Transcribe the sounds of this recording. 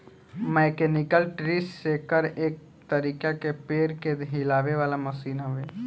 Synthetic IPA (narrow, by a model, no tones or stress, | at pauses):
mɛːkeːnɪkəlʈɾisseːkəɾeːk̚ | t̪əɾiːkakepeːɾked̪ɦɪlaːʋeʋaːlamɐsiːnɦʊʋeː